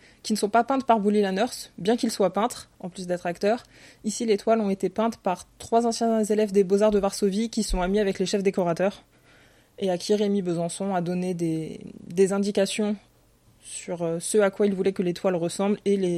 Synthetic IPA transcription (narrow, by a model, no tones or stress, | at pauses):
kʲinəsɔ̃papɛ̃t̪χpaʁbulilanœʁsbjɛ̃kilswapɛ̃t̪χɑ̰̃plys̬d̪ɛt̪χakt̪œʁ | isilet̪walɔ̃et̪epɛ̃t̪paʁt̪χwazɑ̃sjɛ̃zelɛvd̪ebozaʁd̪əvaʁsovikʲisɔ̃amiavɛkleʃɛfd̪ekɔʁat̪œʁ | eakʲʰiʁemibøzɑ̃sɔ̃ad̪ɔned̪ed̪ezɛ̃d̪ikasjɔ̃ | syʁøsəakwailvulɛkəlet̪walʁəsɑ̃blele